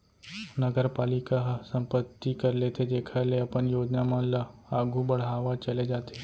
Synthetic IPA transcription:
nɐɡəɾpaːlɪkaɦsɐ̃mpət̪ːikɐɾlet̪ʰed͡ʒeːkʰaleɐpənjoːd͡ʒnamãlaːɡʱubɐɽ̤aːʋat͡ʃɐled͡ʒaːt̪e

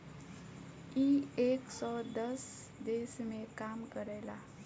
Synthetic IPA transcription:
ieksɔd̪əs | d̪esmekamkəɾɛla

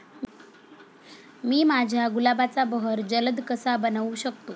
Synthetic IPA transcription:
miːmad͡ʑʱjaɡulabat͡sabəɦəɾd͡ʑələd̪kəsabənaʋuɕək̚t̪o

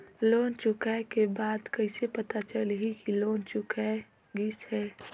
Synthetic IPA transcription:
loːnt͡ʃʊkaekebaːd̪kəɪsepət̪at͡ʃəlɦikiloːnt͡ʃʊkae | ɡishɛː

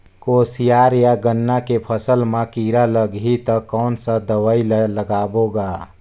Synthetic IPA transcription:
koːsijaːɾjaɡənːakepʰəsəlmãkiɾaləɡɦit̪əkɔːnsəd̪əwailləɡaːboɡa

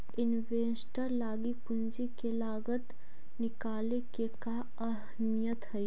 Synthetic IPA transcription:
ɪnʋeːsʈəɾlaːɡipʊnd͡ʒikelaːɡət̪ | nɪkaːlekeka | ɐɦəmijət̪ɦəi

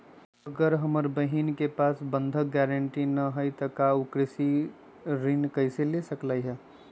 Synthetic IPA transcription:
əɡəɾɦəməɾbəɦinkepasbə̃nd̪ʱəɡɛɾəɳʈinəɦəjt̪əkaukɾɪsi | ɾinkəɪselesəklaɦɛ

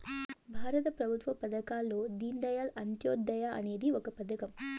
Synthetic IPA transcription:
bʱaːɾɐt̪ɐpɾɐbʱut̪ʋɐpɐd̪ɐkaːlːoːd̪ind̪ɐjaːlɐnt̪joːd̪ɐjaʔɐ̰neːd̪iokɐpɐd̪ɐkɐm

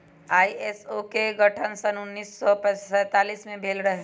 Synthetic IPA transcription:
aːiesokeɡɐʈʰənsənʊnːiːsːɔpɛsɛːt̪aːliːsmẽbʱeːlɾɐɦe

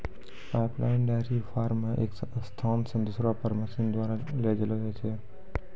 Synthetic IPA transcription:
pajpla̰ɪnɖaɾifaɾmaʔekst̪ʰamsə̃nd̪ʊsɾapəɾməsind̪ʋaɾaled͡ʒelod͡ʒat͡ʃʰe

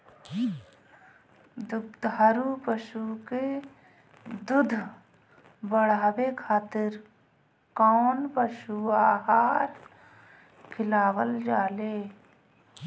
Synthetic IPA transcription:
d̪ʊd̪ʱaːɾupəʃuke | d̪ʊd̪ʱ | bəɽ̤aːbekʰaːt̪ɪɾ | kɔːnpəʃuaːɦaːɾ | kʰɪlaːwəld͡ʒaːleː

